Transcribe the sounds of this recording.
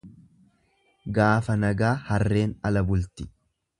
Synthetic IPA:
ɡaːfɐnɐɡaːhɐrːe̞ːnɐlɐbʊlt̪ɪ̥

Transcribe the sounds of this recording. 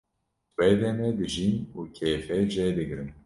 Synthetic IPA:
wɛd̪ɛnɛd̪ɨʒinuːkʰɛːfɛd͡ʒɛd̪ɨɡɾɨn

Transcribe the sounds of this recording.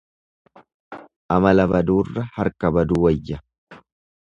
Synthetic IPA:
ʔɐmɐlɐbɐd̪uːrːɐhɐɾkɐbɐd̪uːwɐjːɐ

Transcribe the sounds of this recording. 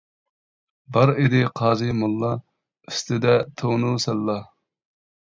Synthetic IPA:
bɑɾed̪ɪqʰɑːzɨmulˠːɑ | yst̪ʰɪd̪ɛt̪ʰonusɛlːɑ

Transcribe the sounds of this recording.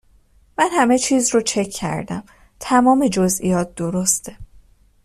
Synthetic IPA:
mænhæme̞t͡ʃʰiːzɾot͡ʃʰe̞kʰːæ̰ɾd̪æ̰m | t̪ʰæmɒːmid͡ʒozijɒːt̪̚ʰd̪̥oɾost̪ʰe

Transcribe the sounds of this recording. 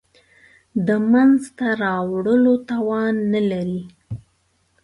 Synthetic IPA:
d̪əmanzt̪aɾɑwɽəlot̪ɑwɑnːəlaɾi

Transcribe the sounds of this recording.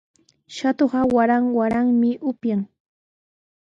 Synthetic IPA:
ʃat̪oɢɑwaɾaŋwaɾaŋmɪʔʊpjaŋ

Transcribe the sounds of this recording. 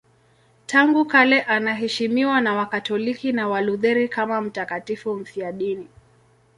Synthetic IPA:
tʰaŋɡukalɛʔanaɦɛʃimiwanawakatɔlikinawaluðɛɾikamam̩takatifum̩fiaɗini

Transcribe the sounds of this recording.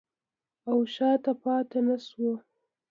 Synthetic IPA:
awʃɑt̪apɑt̪enaʃwo

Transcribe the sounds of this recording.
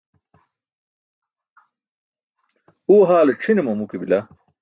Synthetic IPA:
uːɦaːleʈ͡ʂʰinemɐmukibila

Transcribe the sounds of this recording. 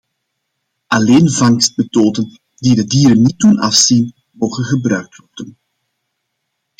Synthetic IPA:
ʔɑleːnvɑŋst̚mətoːdən | didədiːɾənːit̚dunɑfsin | moːɣənɣəbrœɥk̚tʋɔrdən

